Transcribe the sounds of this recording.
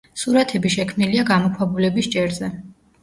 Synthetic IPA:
suɾat̪ʰɛbiʃɛkʰmniliaɡamɔkʰwabulɛbist͡ʃʼɛɾzɛ

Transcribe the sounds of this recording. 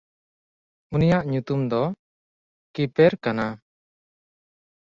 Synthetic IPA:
unijaʔɲut̪umd̪ɔ | kipɛɾkana

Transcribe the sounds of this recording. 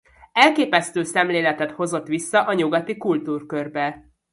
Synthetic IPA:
ɛlkeːpɛst̪øːsɛmleːlɛt̪ɛt̪ho̞zo̞t̪ːʋisːɒʔɒɲuɡɒt̪ikult̪uːrkø̞rbɛ

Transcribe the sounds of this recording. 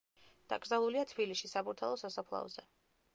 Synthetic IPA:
d̪̥a̰ɡɾzalˠuliat̪ʰbiliʃisabuɾt̪ʰa̰lˠɔsasapʰlˠa̰ɔzɛ

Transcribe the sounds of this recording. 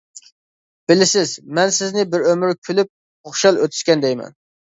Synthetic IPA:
b̥ɪlɪsɪzmɛnsɪznɪbɪɾømɪɾkʲʰylyp̚ | oχʃɑlˠøt̪ʰy̥ʃkʲɛnd̪ɛjmɛ̰n

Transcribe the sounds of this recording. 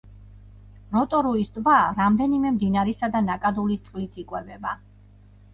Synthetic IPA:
ɾɔt̪ʼɔɾuisd̪ʼvaɾamd̪ɛnimɛmd̪inaɾɛsad̪anakʼad̪ulist̪sʼqʼlit̪ʰikʼwɛvɛba

